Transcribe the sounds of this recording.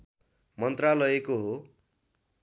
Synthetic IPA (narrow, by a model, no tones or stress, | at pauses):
mʌnt̪ralʌekoɦo